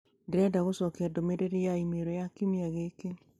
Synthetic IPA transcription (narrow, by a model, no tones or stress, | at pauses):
ndeɾɛdaɣosɔkɛdomeɾeɾejaimeɾɔjakimiaɣeke